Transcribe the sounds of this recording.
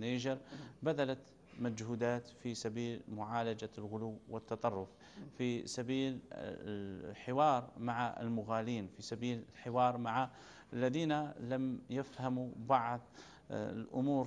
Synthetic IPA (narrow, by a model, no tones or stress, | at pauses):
neʒəɾbæd̪ælat̪ | mæd͡ʒhud̪aːt̪fisæbiːlmʊʕaːlad͡ʒalɣʊluwːwət̪ːɑt̪ˤɑrˤːʊf | fisæbiːl̰ | ħɪwɑːɾˤmaʕaʔə̰lmʊɣaliːnfisabiːllħɪwɑːɾˤmaʕa | ʔəlːæðiːnalmjafhamubɑʕd̪ˤ | lʔʊmuːɾ